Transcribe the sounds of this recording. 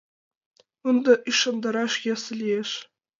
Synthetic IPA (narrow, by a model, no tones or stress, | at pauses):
und̪ɑʔiʃːɑnd̪ɑɾɑʃjɑsɘ̆lʲieʃ